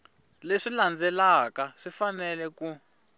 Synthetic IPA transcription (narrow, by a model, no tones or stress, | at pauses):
leʂiland͡zʱɛlakaʂifanɛlɛku